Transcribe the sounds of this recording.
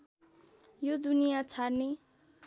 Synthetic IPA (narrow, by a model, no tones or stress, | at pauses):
jod̪unijat͡sʰarne